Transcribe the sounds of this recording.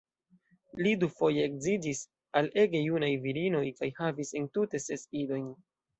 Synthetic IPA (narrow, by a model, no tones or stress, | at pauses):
lidufo̞je̞ːkzid͡ʒis | ale̞ɡe̞junajviɾino̞jkajhavise̞ntute̞se̞sido̞jn